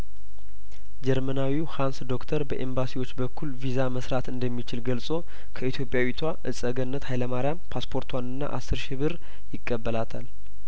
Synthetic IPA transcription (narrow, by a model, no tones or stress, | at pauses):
d͡ʒɛɾmənawihansd̪o̞kt̪ʰəɾbəʔe̞mbasiwo̞t͡ʃːbəkʰːulvizaməsɾat̪ɨnd̪əmːit͡ʃɪlɡəlsʼo̞ | kʰəit̪ʰjo̞pʼjawit̪ʰwaʔɨsʼəɡənːət̪hajləmaɾjampʰaspʰoɾt̪ʰwanɨnːa̰ʔa̰sɨɾʃɪβɨɾ | jɪkʼːəbːəlat̪ʰal